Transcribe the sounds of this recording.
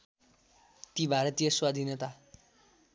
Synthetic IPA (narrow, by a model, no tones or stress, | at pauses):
t̪ibʱaɾʌt̪ijʌswad̪ʱinjʌt̪a